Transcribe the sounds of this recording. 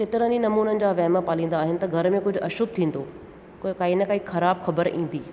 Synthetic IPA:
keːt̪ɪɾəninɐmuːnənɪ̆d͡ʑaːʋɛːməpaːlĩːn̆d̪aːɦɪnɪ̆t̪ɐɡʱɐɾmẽkʊd͡ʑʱʊɐʃʊb̚t̪ʰĩːn̆d̪oː | kaːinəkaːikxɐɾaːbxɐbəɾĩːn̆d̪iː

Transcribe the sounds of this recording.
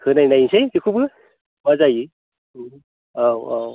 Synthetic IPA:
kʰɯnajnajsejkikʰubɯ | mazaji | awaw

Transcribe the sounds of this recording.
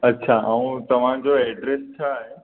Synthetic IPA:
ɐtːɕʰaːaũt̪ɐʋ̤ãd͡ʑoɛːɖɾest͡ɕʰaːɦe

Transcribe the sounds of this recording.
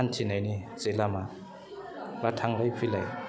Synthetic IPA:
antʰinanit͡silama | βatʰaŋlaipʰilɛ

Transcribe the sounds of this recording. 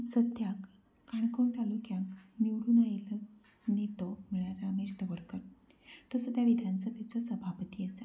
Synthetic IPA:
səd̪jakː | aɳkoɳʈalukjãŋkniʋɽuːnailə | nit̪omiɭ̃aɾaəmeɕd̪əʋəɽkəɾ | t̪osəd̪ʱjaʋid̪ʱansəbʱet͡sosəbʱapət̪iːəse

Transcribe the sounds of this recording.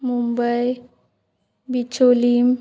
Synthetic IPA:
mumbəj | bit͡ʃolim

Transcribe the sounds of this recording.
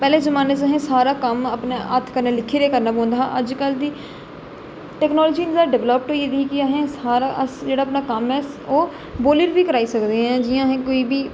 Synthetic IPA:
pɛːleːzəmaːneːzəɦẽːsaːɾaːkəməpneʔət̪ʰkəɾneːlɪkʰːiːɾeːkəɾnaːbõːnd̪aːaʔəd͡ʒkəld̪iː | ʈɛːknɔːlːd͡ʒiːnzaːɖɪʋləp̚ʈɦoid̪ikiəɦẽːsaːɾaʔəsd͡ʒeːɽaːəpnaːkəmɛːs | oː | boːliɾbiːkəɾaːisəkd̪eːɦɛ̃ːd͡ʒɪjãːɦẽːkoːiːbʱiː

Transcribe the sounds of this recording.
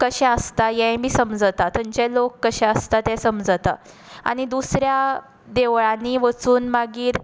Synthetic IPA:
kəɕɛ̃əst̪ajɛ̃bʱiːsəmd͡zət̪at̪ʰəɲt͡ɕɛ̃lokːəɕɛ̃əst̪at̪ɛ̃səmd͡zət̪a̰ | a̰ɽ̃id̪usɾja | d̪eʋɭãniʋət͡suːnmaɡiːɾ

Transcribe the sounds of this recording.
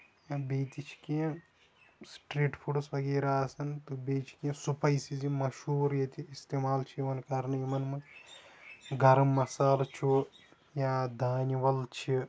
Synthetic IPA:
jaːbeːt̪it͡ʃʰi̥kiɐ̃ | sʈɾeːʈpʰuɖsʋɐɡeːɾaːɐsɐnt̪ubeːt͡ʃʰi̥kiɐ̃supɐjsizimɐʃuːɾjɐt̪iist̪eːmaːlt͡ʃʰiʋɐnkɐɾnɐjimɐnmɐ | ɡɐɾɐmːɐsaːlt͡ʃʰu | jaːd̪aːniʋɐlt͡ʃʰi

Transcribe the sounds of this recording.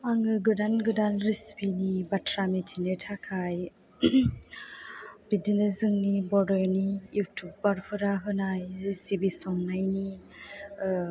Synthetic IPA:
aŋɯɡɯdanɡɯdanɾispinibatʰɾamitʰinɯtʰakʰaj | bidinɯzɯŋnibɔɾɔɾnijutʰub̚baɾpʰɯɾaɦɯnajɾisibisɔŋnajni

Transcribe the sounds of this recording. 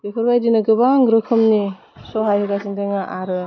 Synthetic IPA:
bekʰɯɾbajdinɯɡɯbaŋɡɾɯkʰɯmni | sɔɦajhɯɡasiŋdeŋaʔaɾɯ

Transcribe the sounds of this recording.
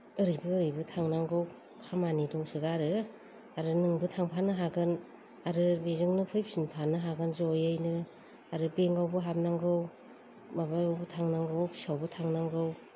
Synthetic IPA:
ɯɾɯjbɯːɾɯjbɯtʰaŋnaŋɡɯw | kʰamanidɔŋsɯɡaɾɯ | aɾɯnɯŋbɯtʰaŋpʰanɯɦaɡɯn | aɾɯbezɯŋnɯpʰɯjpsinpʰanɯɦaɡɯnzojɯjnɯ | aɾɯbeŋɡawbɯɦap̚naŋɡɯw | mabajawbɯtʰaŋnaŋɡɯwpʰi̥sawbɯtʰaŋnaŋɡɯw

